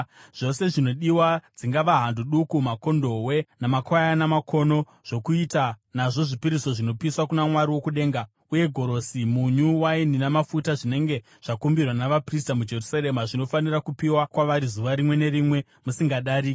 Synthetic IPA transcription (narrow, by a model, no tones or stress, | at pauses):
ʐ̥o̞se̞ʐino̞ɗiwad͡ziŋɡaʋaɦanduɗukumako̞ndo̞we̞namakwajanamakʰo̞no̞ | ʐ̥o̞kuitanaʐo̞ʐipiɾiso̞ʐinopiiswakunamwaɾiwo̞kuɗe̞ːŋɡa | uje̞ɡʱo̞ɾo̞simuɲuwaininamafutaʐine̞ŋɡe̞ | ʐ̥akumbirwanaʋapris̬tamud͡ʒe̞rusaɾemaʐino̞fanirakupiwakwaʋaɾizuʋaɾimwe̞ne̞ɾimwe̞ | musiŋɡaɗaːɾi